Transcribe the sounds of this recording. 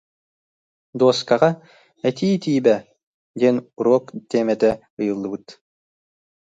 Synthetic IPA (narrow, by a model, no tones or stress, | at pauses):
d̪oskɑʁɑ | æt̪iːt̪ijbæ | d̪ʲɛnuɾɔkt̪ʲemɛt̪æ | ɯjɯ̆lˠːɯbɯt̪